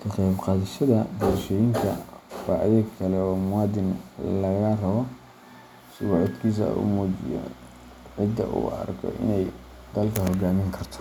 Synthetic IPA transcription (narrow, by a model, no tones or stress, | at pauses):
kʰɐqɛjbqɑːðɪʃɐðɐbɔɾʃɔːjɪŋkʰɐfɑ̰ːʕðɐkʰɐlɛɔːmʊwɑːd̪ɪnlɐɣɐrɐβɔ | sɪɣɔʕɪd̪kʰiːs̬ɐ̰ṵːmɔːt͡ʃɪ̰jɔ̰ | ʕɪd̪ːɐ̰ʔṵːɐ̰rkʰɔ̰ʔɪ̰nɛj | d̪ɐlkʰɐhɔɡaːmɪŋkʰɐrt̪ʰɔ̥